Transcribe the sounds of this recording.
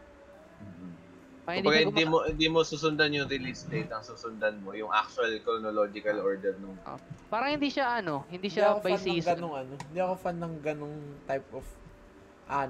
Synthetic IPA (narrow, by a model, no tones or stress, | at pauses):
m̩ː | kʊbɐɡahɪd̪imohɪnd̪iːmosuːsʊnd̪anjʊŋɾɪlisd̪ejt̪ɐŋsuːsʊnd̪anmo̞jʊŋʔa̰k̚t͡ʃʊɐlkɾonolod͡ʒɪkɐlʔoɹd̪ɛɾnʊŋʔo̰paːɾɐŋhɪnd̪iːʃaʔɐno̞hɪnd̪iːʃakobɐsiːsɡɐoŋɐnohɪnd̪iːʔɐko̞fɐnːɐŋɡɐnoŋt̪ajpʔof | ʔa